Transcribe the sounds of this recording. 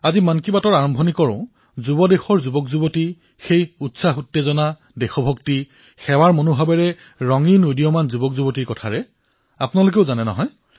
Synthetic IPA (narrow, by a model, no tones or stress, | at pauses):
azimankibatɔɹaɹɔmbʱɔnikɔɹʊ̃ | zubɔdexɔɹzubɔkzubɔti | xejutsaxutːɛzɔna | dɛxɔbʱɔkti | xɛwaɹmɔnobʱabɛɹɛ | ɹɔŋinudijɔmanzubɔkzubɔtiɹkɔtʰaɹɛ | apʊnalokeʊzanɛnɔ̰ɦɔj